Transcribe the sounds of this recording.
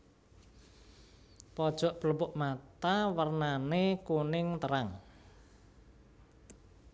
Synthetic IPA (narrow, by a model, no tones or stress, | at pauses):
pɔd̥ʒ̥ɔ̤ʔb̥ələmbʊʔmat̪awərnanekunɪŋt̪əɾaŋ